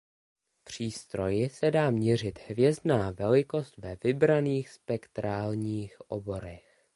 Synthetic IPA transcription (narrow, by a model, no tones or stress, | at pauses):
pr̝̥iːst̪ɾo̞jɪsɛdaːmɲɛr̝ɪt̪hvjɛzdnaːvɛlɪko̞st̪vɛvɪbɾaniːxspɛkt̪ɾaːlɲiːxʔo̰bo̞ɾɛx